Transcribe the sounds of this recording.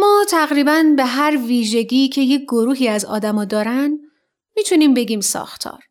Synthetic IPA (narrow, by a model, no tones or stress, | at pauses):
mɒːt̪ʰæɣɾiːbænbe̞ɦæɾviːʒe̞ɟiːcʰe̞je̞c̚ɡoɾuːɦiːæzɒ̰ːd̪æmɒːd̪ɒːɾæn | miːt̪ʰuniːmbe̞ɟiːmsɒ̰ːxt̪ʰɒ̰ːɾ